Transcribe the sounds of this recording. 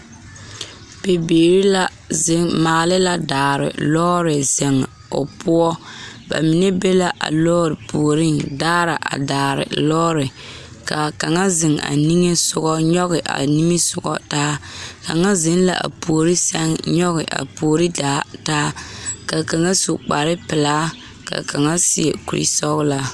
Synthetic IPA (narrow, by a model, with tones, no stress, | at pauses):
pe˨beː˨ɾi˦la˦ | zɪ˦ŋmaː˨lɪ˦la˦daː˨ɾɪ̰˨lɔː˦ɾɪ˨zɛ˨ŋ˨ | o̰˨pʊ˦ɔ˦ba̰˨mi˨nɛ˦be˦la˦ʔa̰˨lɔː˦ɾɪ˨pʰu˨o˨ɾɪ˦ndaː˦ɾa˨ʔa̰˨daː˨ɾɪ̰˨lɔː˦ɾɪ˨ | ka˨ka˨ŋa˦zɪ˨ŋa̰˨ni˦ŋe˦sʊ˨ɣɔ˦ɲɔ˦ɣɪ˨ʔa̰˨ni˦mi˦sʊ˨ɡɔ̰˦taː˦ka˨ŋa˦zɪ˨n˦la̰˨ʔa̰˨pu˨o˨ɾi˦sa˦ŋɲɔ˦ɣɪ˨ʔa̰˨poː˨ɾi˦daː˨˦taː˦ka˨ka˨ŋa˦so˨k͡pa˨ɾɪ˦pɪ˨laː˦ | ka̰˨ka˨ŋa˦si˦e˨ku˨ɾḭ˦sɔ˦ɣla˨